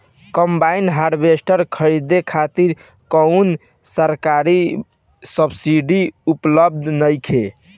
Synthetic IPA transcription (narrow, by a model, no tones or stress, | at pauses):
kəmbainɦaɖbesʈəɾkʰəɾid̪ekʰat̪iɾ | kəun | səɾkaɾi | səbsiɖiupləb̚d̪ʱnəjkʰe